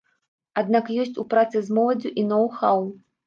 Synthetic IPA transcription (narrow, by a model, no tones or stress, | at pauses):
ad̪nakjɔsʲt͡sʲupɾat̪sɨzmɔlˠɐd͡zʲuʔinɔwxaw